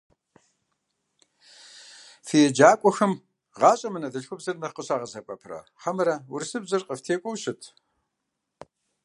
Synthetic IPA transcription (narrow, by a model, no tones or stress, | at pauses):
fijɛd͡ʒaːkʷʼɔxɨm | ʁɑːɕʼɐmɨnɐdɨɬxʷʊbzɐrnɐqəɕaːʁɐzɐpʼɐpʰrɐ̰ħɐmɨɾɐwʊrsɨbzɨrqʼəftʰeːkʷʼɔwɕɪtʰ